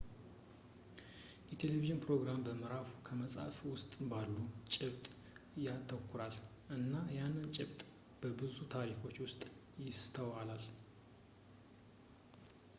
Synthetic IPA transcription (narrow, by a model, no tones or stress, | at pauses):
jɛt̪ʰe̞leviʒɨnpɾo̞ɡɾambəmɨɾafu̥kʰəməsʼa̰fwʊst̪ʼɨbalːut͡ʃʼɪβt̪ʼ | jat̪ʰːəkʰːʊɾal | ʔɨnːajanːɨnt͡ʃʼɪβt̪ʼ | b̥əbɨzut̪ʰaɾikʰo̞t͡ʃːwʊst̪ʼ | jɪst̪ʰəwalal